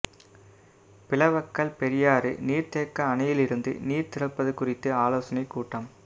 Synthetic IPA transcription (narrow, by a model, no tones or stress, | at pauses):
pɪlɐʋɐkːɐɭpɛɾɪjaːɾɯ̰niːɾt̪eːkːɐːnɐjɪlɪɾɯnd̪ɯ̰niːɾt̪ɪɾɐpːɐðɯkʊrɪt̪ːɯaːloːsɐnɐɪkːuːʈːɐm